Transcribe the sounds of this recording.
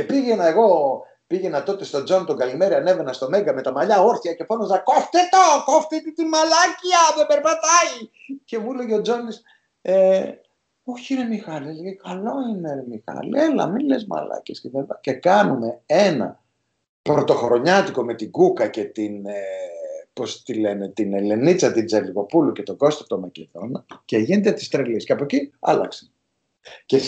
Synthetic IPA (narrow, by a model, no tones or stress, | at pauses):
cepiʝe̞nɐeɣo̞ | piʝe̞nɐt̪o̞t̪est̪o̞d͡zo̞nt̪oŋɡɐlime̞ɾiɐne̞venɐst̪o̞me̞ɡɐme̞t̪ɐmɐʎɐo̞ɾθiɐce̞fonozðɐkoft̪et̪okoft̪it̪it̪imɐlɐciɐðebeɾpɐt̪ɐice̞muleʝeod͡zo̞nd̪is | e | oçiɾemixɐlelekʰɐlo̞ineɾemixɐ̰lelɐ̰milezmɐ̰lɐ̰cescet̪ɐlipɐce̞kɐnume̞e̞nɐ̰ | pɾot̪o̞xoɾo̞ɲɐt̪iko̞me̞t̪iɡukɐce̞t̪inepo̞st̪ile̞net̪inele̞nit͡sɐt̪id͡zɐliɣo̞puluce̞t̪o̞ɡo̞st̪ot̪o̞mɐceðo̞nɐceʝinet̪et̪i̥st̪ɾelisceɐpociɐ̰lɐ̰kse̥ | ce